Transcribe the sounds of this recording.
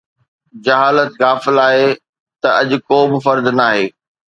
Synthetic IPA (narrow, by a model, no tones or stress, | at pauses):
d͡ʑɐɦaːlət̪ɣaːfɪlaːɦe | t̪ɐɐʄʊ̆koːbɪfɐɾd̪naːɦeː